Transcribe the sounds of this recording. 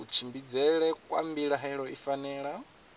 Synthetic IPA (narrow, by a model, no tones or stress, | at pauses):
ut͡ʃʰimbid͡zɛɺɛkʼwa̰mbiɺaɦaiɺɔifanɛːɺa